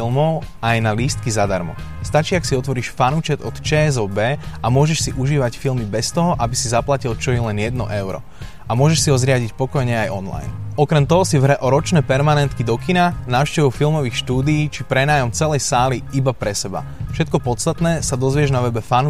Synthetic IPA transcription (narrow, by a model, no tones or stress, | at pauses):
ilmɔʊ | ajnaliːst̪kizad̪aɾmɔ̰ | st̪at͡ʃiːaksiɔt̪ʋɔɾiːʃfanut͡ʃɛd̪ɔt̪t͡ʃɛːzɔbɛːamʊɔʒɛʃsiʔuʒiːʋacfilmibɛst̪ɔɦɔʔabisizaplacilt͡ʃɔjɛlɛnjɛd̪nɔ̰ʔɛʊɾɔ̰ | amʊɔʒɛʃsiɦɔzɾɪaɟicpɔkɔjɲɛajɔnla̰jnɔkɾɛmt̪ɔɦɔsivɦɾɛʔɔɾɔt͡ʃnɛːpɛɾmanɛnt̪kid̪ɔkinanaːʊʃcɛʋɔʊfilmɔʋiːxʃt̪uːd̪ijiːt͡ʃipɾɛnaːjɔmt͡sɛlɛjsaːliibapɾɛsɛba̰fʃɛt̪kɔpɔt̪t͡sst̪at̪nɛːsad̪ɔzʋɪɛʒnaʋɛbɛfanu